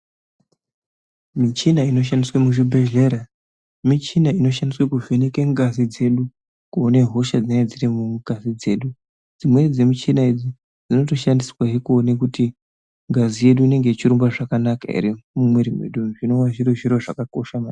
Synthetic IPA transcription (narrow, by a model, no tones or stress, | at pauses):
mit͡ʃinaino̞ʃ̬andiswemuʐibʱe̞ʒe̞ɾa | mit͡ʃinaino̞ʃandiswekuvenekeŋɡazid͡ze̞ɗu | kuoneɦo̞ʃad͡zinaed͡ziɾimuɡʱazid͡ze̞ːɗu | d͡zimwe̞d͡zemit͡ʃinaid͡zi | d͡zino̞to̞ʃandisiwaɦekuonekuti | ŋɡazije̞ɗuine̞ŋɡe̞it͡ʃiɾumbwaʐakanaka̰ḭɾimumweɾimwḛɗuʐino̞waʐiɾoʐiɾo̞ʐakako̞ʃama